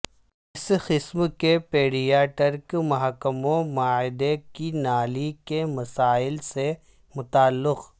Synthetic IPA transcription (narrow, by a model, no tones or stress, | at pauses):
ɪsxɪsmkepeːɽijaːʈəɾkmɐɦakəmõmaːɪd̪ekinaːlikemɐsaːɪlse | mʊt̪aːlːɪq